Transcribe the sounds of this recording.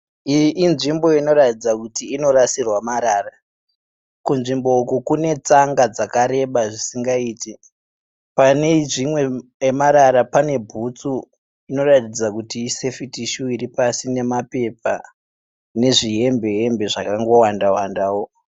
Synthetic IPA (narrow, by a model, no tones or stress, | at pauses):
ʔːnʐimbo̞ino̞ɾatid͡zakutiːno̞ɾasirwamaɾaːra | kunʐimbo̞ukukune̞t͡saŋɡad͡zakaɾe̞ɓaʐisiŋɡaiːti | paneʐimwe̞emaɾaɾapane̞bʱut͡su | ino̞ratid͡zakutiːse̞fitiʃuiɾipasine̞mape̞p̚a | ne̞ʐiɦe̞mbe̞ɦe̞mbe̞ʐakaŋɡo̞wandawandaːwo